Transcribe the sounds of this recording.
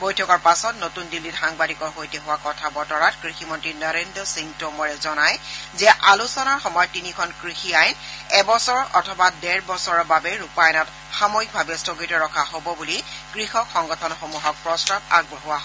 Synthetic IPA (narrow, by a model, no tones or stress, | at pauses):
bojtʰɔkɔɹpasɔtnotundilːitxaŋbadikɔɹxojtɛɦʊwakɔtʰabɔtɔɹatkɹiximɔntɹinɔɹendɹɔsiŋtomɔɹɛzɔnajzɛʔalusɔnaɹxɔmɔjɔtːinikʰɔnkɹixiajnɛbɔsɔɹɔ̰tʰɔbadɛɹbɔsɔɹɔbabɛɹupajnɔt | xamojik̚bʱabɛstoɡitɔɹɔkʰahobɔbulikɹixɔkxɔŋɡɔtʰɔnxomuɦɔk̚pɹɔstab̚a̰ɡ̚bɔɦʊwaɦ